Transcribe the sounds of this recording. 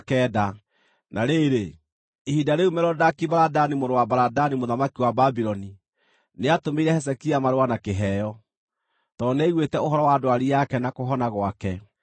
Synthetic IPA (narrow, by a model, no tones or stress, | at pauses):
kɛːda | naɾeɾe | ihidaɾeumɛɾɔdakibaɾadanimoɾowabaɾadanimoðamakiwababiɾɔni | neatomeiɾɛhɛs̬ɛkiamaɾowanakeɦɛːjɔ | tɔnɛiɣwetɛoɦɔɾɔwadowaɾijakɛnakoɦɔnaɣwakɛ